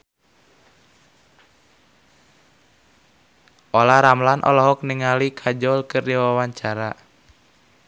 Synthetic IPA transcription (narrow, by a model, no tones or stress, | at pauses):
ʔɔlaɾamlanʔɔ̰lɔɦɔk̚niŋalikʰad͡ʒɔlkɨrdiwawaɲt͡ʃaɾa